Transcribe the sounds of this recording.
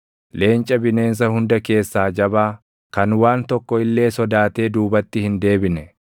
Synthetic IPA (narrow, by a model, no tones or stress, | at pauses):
le̞ːnt͡ʃʼɐbɪne̞ːns̬ɐhʊnd̪ɐke̞ːsːaːd͡ʒɐbaː | kɐnwaːnt̪ɔkːɔɪlːe̞ːsɔd̪aːt̪e̞ːd̪uːbɐt̪ːɪhɪnd̪e̞ːbɪnɛ